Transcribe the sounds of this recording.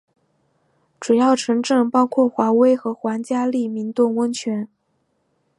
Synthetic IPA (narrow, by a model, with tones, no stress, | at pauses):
ʈ͡ʂu˨˩jɑ˥˩ʊʈ͡ʂʰɤ˧˥ŋʈ͡ʂɤ˥˩ŋpɑ˥ʊkʰwɔ˥˩xwa˧˥we˥ɪxɤ˧˥xwa˧˥nt͡ɕja˥li˥˩mi˧˥nt̪ʊ˥˩ŋwə˥nt͡ɕʰɥɛ˧˥n